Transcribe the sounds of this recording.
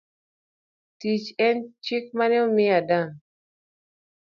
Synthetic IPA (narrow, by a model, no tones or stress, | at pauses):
tit͡ʃɛnt͡ʃɪk̚manɪɔmɪadaŋ